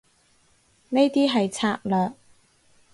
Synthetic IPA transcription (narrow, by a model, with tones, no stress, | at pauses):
ne˥jt̪iː˥ɦɐ˨jt͡sʰaː˧˥k̚lœː˨k̚